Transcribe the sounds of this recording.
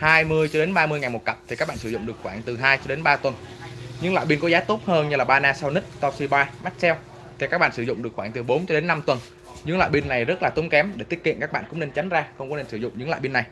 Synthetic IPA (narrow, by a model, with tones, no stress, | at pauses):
haː˧jmɨ˧əjt͡ɕɔ˧ɗe˨˦nɓaː˧mɨ˧əjŋa˨˩jmo˨˩t̚kə˨˩p̚t̪ʰi˨˩kaː˦˥kɓa̰ː˧˨nsɨ˧˩zʊ̰˧˨ŋ͡mɗɨ˨˩ək̚xwaː˧˩ŋt̪ɨ˨˩ɦaː˧jt͡ɕɔ˧ɗe˨˦nɓaː˧t̪wə˨˩nzɨ˧˦˧ŋlwa̰ː˧˨jɓi˧nkɔ˨˦zaː˨˦˥t̪o˦˥t̚həː˧nɲɨ˧laː˨˩ɓaː˧naː˧sa˧wni˦˥k̚t̪ɔ˧si˧ɓaː˧ma˦˥k̟̚sɛ˧w | t̪ʰi˨˩kaː˦˥k̚ɓ̰aː˧˨sɨ˧˩zʊ̰˧˨ŋ͡mɗɨ˨˩ək̚xwaː˧˩ŋt̪ɨ˨˩ɓo˨˦nt͡ɕɔ˧ɗe˨˦nːa˧mt̪wə˨˩n | zɨ˨˦ŋla̰ː˧˨ɓi˧nːa˨˩jzə˦˥t̚laː˨˩t̪o˨˦ŋ͡mkɛ˨˦mɗe˧˩t̪i˦˥t̚kḭ˧˨ənkaː˦˥k̚ɓa̰˧˨nkʊ̰˧˥ŋ͡mne˧nt͡ɕa˨˦jŋ̟zaː˧xə˧wŋ͡mkɔ˨˦ne˧nsɨ˧˩zʊ̰˧˨ŋ͡mzɨ̰˨˦ŋwa̰˧˨ɓi˧nːa˨˩j